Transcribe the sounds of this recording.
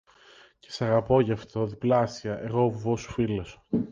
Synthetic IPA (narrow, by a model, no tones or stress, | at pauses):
ce̞̥sɐɣɐpo̞ʝɐft̪o̞ðiplɐsiɐʔe̞ɣo̞vuvosu̥filoso̥